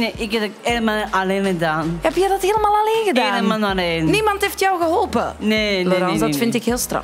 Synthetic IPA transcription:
neʔɪkɛdəkeːləmaaleːnɣədaːnɛpjɛjdɑtɦeːləmaːlˠaleːnɣədaenəmanaleːnnimɑntheftjɔwɣəɦɔlˠpəneloɾɑnsdɔtfɪntɪkheːlˠstrɑ̰f

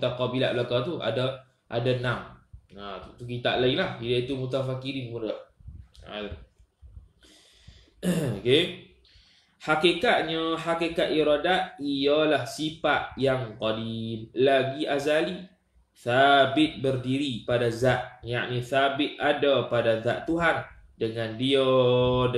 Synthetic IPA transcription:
t̪aqabila̰ʔblakat̪ua̰da | ʔadanamat̪t̪ukit̪a̰ʔlaiŋlahidait̪umut̪afakiɾimudəʔa̰l | oke | hakikat̪̚ɲəhakikat̪ʔiɾadat̪̚ialahsipat̪̚jaŋqɔdimlaɡiʔazali | θabɪt̪̚bərdiɾipadazaʔ̪̚njaʔniθabɪt̪̚adapadazaʔt̪uɦandəŋãndia

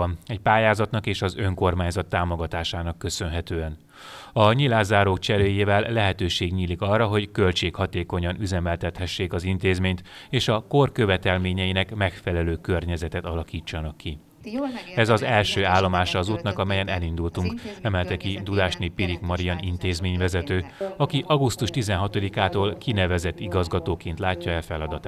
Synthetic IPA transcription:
ɒnɛcpaːjaːzɒt̪nɒkeːʃɒzø̞ŋko̞rmaːɲzɒt̪ːaːmo̞ɡɒt̪aːʃaːnɒkːø̞sø̞nɦɛt̪øːɛn | ɒɲilaːzaːɾoːkt͡ʃɛɾøːjeːvɛlːɛɦɛt̪øːʃeːɡɲiːlikɒrːɒɦo̞ɟkø̞lt͡ʃeːkhɒt̪eːko̞ɲɒnyzɛmɛlt̪ɛt̪hɛʃːeːkɒzint̪eːzmeːɲt̪ | eːʃɒko̞rkø̞vɛt̪ɛlmeːɲɛinɛkmɛkfɛlɛløːkørɲɛzɛt̪ɛt̪ɒlɒkiːt͡ʃːɒnɒkːi | ɛzɒzɛlʃøːaːlːo̞maːʃɒːzuːt̪nɒkɒmɛjɛnɛlind̪ult̪uŋkɛmɛlt̪ɛkid̪ud̪aːʃneːpːiɾikmɒɾijɒnint̪eːzmeːɲvɛzɛt̪øːɒkiʔɒɡust̪uʃt̪izɛnɦɒt̪o̞d̪ikaːt̪oːlkinɛvɛzɛt̪ːiɡɒzɡɒt̪oːkeːnt̪laːcːɒɛlfɛlɒd̪ɒt̪a

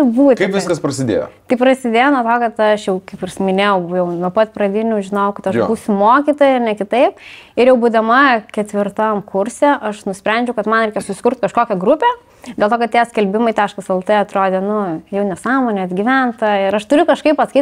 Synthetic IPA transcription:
buːkɐɪpʋʲɪskɐspɾɐsʲɪd̪ʲḛːjo̰t̪ɐɪpɾɐsʲɪd̪ʲeːjoːnuɔt̪oːkɐt̪ɐʃjɛʊkɐɪpɪrsmʲɪnʲeːjɛʊjɛʊnuɔpɐt̪pɾɐd̪ʲɪnʲuːʒʲɪnɐʊkɐt̪ɐʃuːsʲʊmoːkʲiːt̪oːjɛɐnʲɛkʲɪt̪ɐɪpɪɾjɛʊbuːd̪ɐmɐkʲɛt̪ʲʋʲɪrt̪ɐmkʰʊɾʲsʲeʔɐʃnʊsʲpʲɾʲɛnʲd͡ʒʲɛʊkɐt̪mɐnɾʲɛɪkɛsʊsʲɪ̥kʊɾrt̪kɐʃkoːkʲɛɡɾʊpʲeː | dʲeɛlˠt̪oːkɐt̪̚tʲeːsʲkʲɛlʲbʲɪmɐɪt̪ʲæːʃkɐsɛlˠt̪ɨɐt̪ɾoːd̪ʲeːnʊjɛʊnʲɛsɑːmoːnʲeɐd̪ʲɡʲɪʋʲænt̪ɐɪɾɐʃt̪ʊɾʲʊkɐʃkɐɪppɐskɐɪ

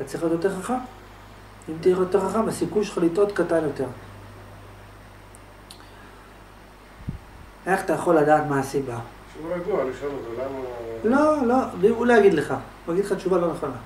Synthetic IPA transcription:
tat͡siχot̪jot̪eʁχaχam | imt̪iiχjoteχaχambasikujʃχalit̪o̞t̪kat̪anjo̞t̪e̞ʁ | e̞χat̪ajaχo̞lːad̪aːt̪maasiba | ʃuvajaɡualiχeovelamalolo̞viulajaɡid̪leχa | aɡidleχatʃuvalo̞neχo̞na

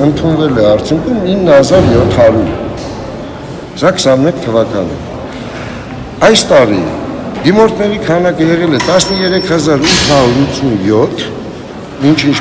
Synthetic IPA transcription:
ənt̪ʰunvɛlɛɑɾt͡sʰjuŋkʰuminːəhɑzɑɾjɔt̪ʰːhɑɾuɾ | sɑkʰə̥sɑnmɛkʰt̪ʰəvɑkɑnə̰ | ɑjst̪ɑɾḭd̪imɔɾt̪ʰnɛɾikʰɑnɑkəjɛʁɛlɛt̪ɑsnəjɛɾɛkʰhɑzɑɾut̪ʰːhɑɾuɾut͡sʰunjɔt̪ʰː | mint͡ʃʰint͡ʃ

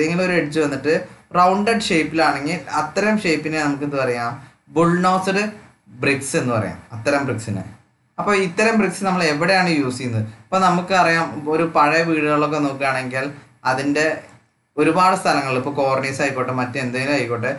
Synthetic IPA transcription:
eŋɡilo̞ɾueɽit͡ɕːuʋɐnːiʈːɨrɐwɳɖeɖʂejpːilaːɳe̞ŋɡilɐt̪ːɐɾɐmʂe̞jpːinenɐmuk̬ːenːupɐrɐjaːm | buɭnoːsɨɽɨ | brikse̞nːupɐ̰rɐja̰ːmɐt̪ːɐɾɐmbriksinɨ̰ | ɐpːo̞ːit̪ːɐɾɐmbriksɨnɐmːɐɭe̞ʋiɽejaːɳɨjuːsikʲunːɐðɨɐpːo̞ːnɐmukːɨpɐrɐjaːmo̞ɾupɐɻɐʋiːɽɨɣɐɭːo̞k̬ːe̞noːk̬ːaːɳe̞ŋɡil | ɐðinde̞ | oɾubaːɽɨst̪ʰɐlɐŋːɐɭilipːoːko̞ːrɳisɐjkːo̞ʈːɨmɐtːuend̪eŋilumɐjikːoːʈːe

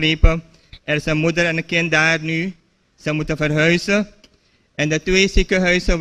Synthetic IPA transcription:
reːpə | ɛrsənmudəɾɛnəkɪntdaːrny | z̥ɛjmutəvərɦœɥzə | ɛndətʋeːsikəɦœɥsə

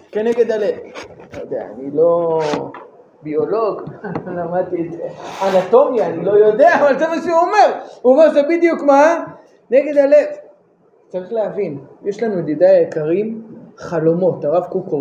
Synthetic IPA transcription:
keneɡe̞d̪alet̪nojod̪ea̰a̰nilo̞ | bio̞lo̞ɡlamad̚t̪iet̪eanat̪o̞mjaːnilo̞jo̞d̪e̞aːvalzemaʃeuome̞ʁuomeʁzebid̪jukma | neɡe̞d̪alet̪ | t͡saʁiχleavinjeʃlanued̪id̪ajekaʁimχalo̞mo̞t̪aʁavkuko

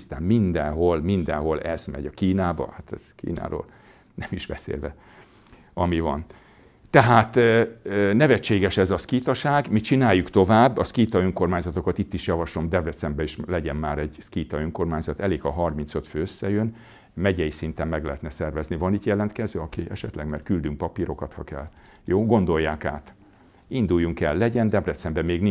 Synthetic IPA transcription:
st̪a̰ːmmind̪ɛnɦo̞lmind̪ɛnɦo̞lɛz̥mɛ̰ɟɒkiːnaːbɒ̰hat̪ɛz̥kḭːna̰ːɾo̰ːl | nɛmiʒbɛ̰sḛːlvɛ̰ | ɒmivɒ̰n | t̪ɛɦaːt̪ | nɛvɛt͡ʃːeːɡɛʃɛzɒskiːt̪ɒʃaːɡmit͡ʃinaːjːukt̪o̞vaːbːɒskiːt̪ɒøŋko̞rmaːɲzɒt̪o̞kɒt̪it̪ːiʃjɒvɒʃo̞md̪ɛd̪ɛt̪sɛmbɛiʃlɛɟɛnmaːɾɛɟskiːt̪ɒøŋko̞rmaːɲzɒt̪ɛleːkhɒɦɒrmint̪søt̪føːøsːɛjøn | mɛɟɛjisint̪ɛmmɛɡlɛɦɛt̪nɛsɛrvɛznivɒniːt̪jɛlɛnt̪kɛzøːɒkiɛʃɛt̪lɛɡmɛr̚kyld̪yŋk̚pɒpiɾo̞kɒt̪hɒ̰kɛ̰lː | joːɡo̞nd̪o̞jːaːka̰ːt̪ | ind̪ujːuŋkɛlːɛɟɛnd̪ɛbrɛt̪sɛmbɛmeːɡni

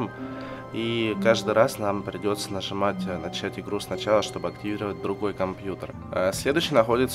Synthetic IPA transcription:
m | ikaʐd̪ɨjɾasnampɾʲɪdʲo̞t̪sə̥nəʐɨmatʲnɐt͡ɕætʲɪɡɾusnɐt͡ɕalˠəʂt̪o̞bɨɐktʲɪvʲiɾəvət̚ʲd̪ɾʊɡo̞jəkɐmpjut̪ər | əsʲlʲe̞d̪ʊɕːɪjnɐxo̞dʲɪt̪s

